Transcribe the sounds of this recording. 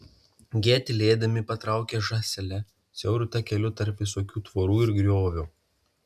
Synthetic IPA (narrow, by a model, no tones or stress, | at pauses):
ɡʲeːt̪ʲɪlʲeːd̪ɐmʲɪpɐt̪ɾɑˑʊkʲɛʒɑːsʲɛlʲɛ | sʲɛʊɾʲʊt̪ɐkʲɛlʲʊt̪ɐɾpʋʲɪsoːkʲuːt̪ʋoːɾuːɪɾɡɾʲoːʋʲʊ